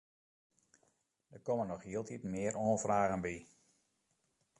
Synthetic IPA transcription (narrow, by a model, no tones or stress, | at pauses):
dəkomənɔxhiəlˠtʰitmɪəɾoːnfraːɣənbi